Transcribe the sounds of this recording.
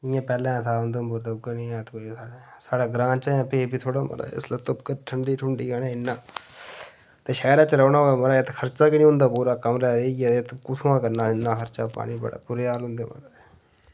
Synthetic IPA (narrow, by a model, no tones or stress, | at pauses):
ɪjãːpɛːlɛ̃ːt̪ʰaːʊnd̪ombʊɾloɡənĩãːt̪koisaːɽeːsaːɽaːɡɾãːnt͡ʃaːãːpeːbiːt̪ʰoːɽaːmə̰ɾa̰ːɪ̰slːt̪ʊpkəɾʈʰəɳɖiːʈʰʊɳɖiːɡaːnẽːɪnːãː | t̪eːʃɛːɾãːt͡ʃəɾəːnaːɦoːaːməɾaet̪kʰəɾt͡ʃaːkɪnĩːɦʊ̃nd̪aːpuːɾaːkəmɾɛːɾeːat̪kʊt̪ʰːãːkəɾnãːɪnːãːkʰəɾt͡ʃaːpa̰ːɽiːbə̰ɽa̰ːpuɾeːaːlɦʊ̃nd̪eːmə̰ɾae